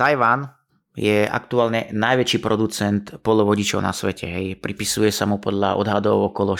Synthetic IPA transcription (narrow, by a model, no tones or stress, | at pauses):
t̪ajʋan | jɛa̰kt̪uaːlɲɛnajʋɛt͡ʃiːpɾɔd̪ut͡sɛnt̪pɔd̪lɔʋɔɟit͡ʃɔʊna̰sʋɛcʰɛɦɛjpɾipisujɛsamupɔd̪ʎa̰ʔɔ̰d̪ɦad̪ɔʊɔkɔlɔ